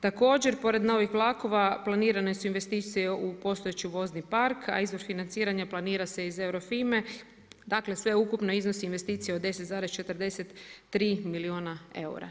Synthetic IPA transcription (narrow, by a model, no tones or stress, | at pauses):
t̪ako̞ːd͡ʑe̞ɾpo̞ɾe̞d̪no̞ʋixʋlˠaːko̞ʋaplˠaniːɾane̞suinʋe̞st̪iːt̪sijeupo̞st̪oet͡ɕiuʋo̞znipaɾkʰa̰izʋo̞ɾfinant̪siːɾaɲaplˠaniːɾase̞ize̞wɾo̞fime̞ | d̪akle̞sʋe̞ukupno̞izno̞siːnʋest̪iːt̪sijeod̪e̞set̪zaːɾest͡ʃe̞t̪ərd̪e̞set̪ːɾiːmilioːnae̞̰ṵɾa̰